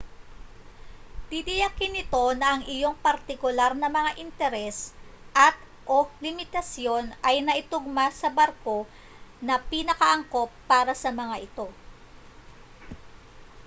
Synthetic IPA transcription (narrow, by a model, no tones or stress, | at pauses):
d̪̥id̪ɪjɐkɪnɪt̪o̞nɐʔɐŋʔɪjo̞ŋpɐɾt̪ɪkʊlaɾnɐmɐŋaʔɪnt̪ɛɾɛsʔɐt̪̚ | ʔo̞lɪmɪt̪ɐsjo̞nʔɐjnɐʔɪt̪ʊɡ̚masɐbɐɾko̞ | nɐpinɐkɐʔɐŋko̞pːaːɾɐsɐmɐŋaʔɪt̪o̞